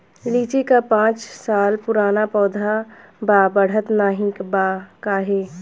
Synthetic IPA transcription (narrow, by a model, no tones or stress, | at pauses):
liːt͡ʃekapãːt͡ʃsaːlpʊɾaːnapɔːd̪ʱabaːbəɽ̤ət̪naːɦɪ̃kbakaɦeː